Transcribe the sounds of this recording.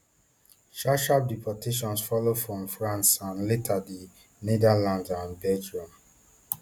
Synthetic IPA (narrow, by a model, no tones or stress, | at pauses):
ʃaʃap̚dipʰɔtʰeʃɔ̃nsfɔlofɹɔ̃mfɹãnsãnletʰadi | nedalãndãnbɛd͡ʒɹũm